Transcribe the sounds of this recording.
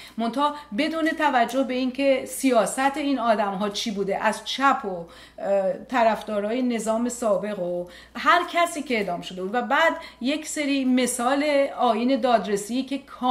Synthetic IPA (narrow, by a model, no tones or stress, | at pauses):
mo̞nt̪ʰɒːbe̞d̪uːne̞t̪ʰævæd͡ʒːo̞hbe̞iːncʰe̞sijɒːsæt̪ʰeiːnɒːd̪æmɦɒːt͡ʃʰibuːd̪e̞ʔæzt͡ʃʰæpʰo | t̪ʰæɾæfd̪ɒːɾɒːjene̞zɒːme̞sɒːbe̞ɣo | hæɾcʰæsiːceeːd̪ɒːmʃod̪e̞buːd̪væbæːd̪je̞kse̞ɾiːme̞sɒːle̞ɒːiːne̞d̪ɒːd̪ɾe̞siicʲʰe̞kʰɒː